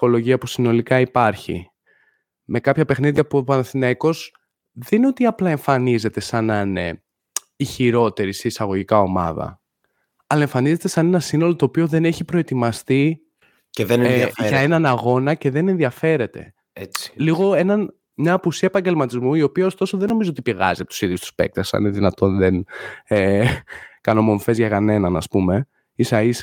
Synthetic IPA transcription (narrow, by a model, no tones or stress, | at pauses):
fo̞lo̞ʝiɐpusino̞likɐipɐɾçḭ | me̞kɐpçɐpe̞xniðiɐpoɐnθineko̞s | ðeninot̪iɐplɐe̞ɱfɐnize̞t̪e̞sɐnɐne̞̰ | içiɾo̞t̪e̞ɾiseisɐɣo̞ʝikɐo̞mɐ̰ðɐ̰ | ɐlɐe̞ɱfɐnize̞t̪e̞sɐne̞nɐsino̞lo̞t̪oːpio̞ðe̞ne̞çipɾoe̞t̪imɐst̪i | ceðenʝɐenɐnɐɣo̞nɐce̞ðe̞ne̞nðiɐfe̞ɾe̞t̪e̞̰ | et͡sliɣo̞e̞nɐn | mɲɐːpusiɐepɐɲɟe̞lmɐt̪izmuio̞piɐost̪o̞so̞ðe̞no̞mizoo̞t̪ipiɣɐ̰ziɐpot̪u̥siðjust̪u̥spe̞̰k̚t̪ɐsɐ̰neðinɐt̪o̞nðene | kɐno̞mo̞ɱfe̞zʝɐkɐne̞nɐnɐ̰spume̞ | isɐis